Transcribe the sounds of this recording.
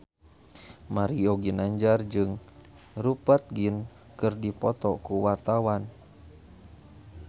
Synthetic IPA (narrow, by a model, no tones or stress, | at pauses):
maɾioɡinaɲd͡ʒard͡ʒɨŋ | rupat̪̚ɡin | kɨrdipɔt̪ɔkuwart̪awan